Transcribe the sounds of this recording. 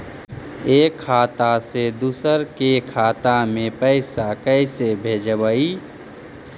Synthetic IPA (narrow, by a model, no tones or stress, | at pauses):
eːkʰːaːt̪ased̪uːsəɾkekʰaːt̪amẽpəɪsakəɪsebʱeːd͡ʒəbəiː